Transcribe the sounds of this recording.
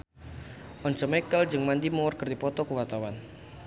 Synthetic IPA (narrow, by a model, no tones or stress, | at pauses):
ʔɔnt͡ʃəmɛkəld͡ʒɨŋmandimɔrkərdipɔt̪ɔkəwart̪awan